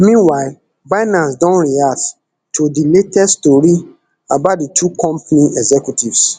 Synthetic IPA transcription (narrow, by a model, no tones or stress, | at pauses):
mĩnwaɪ | baɪnãnsdɔ̃nɹiat | tʰodiletɛstoɹi | abat̚ditʰukʰɔ̃mpaniʔɛɡzɛkjutivs